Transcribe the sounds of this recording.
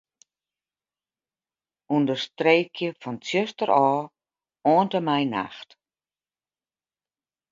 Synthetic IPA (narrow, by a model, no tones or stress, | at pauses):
undərstreːkʰjəfɔntjøstərʔɔː | oːəntəmɛjna̰xt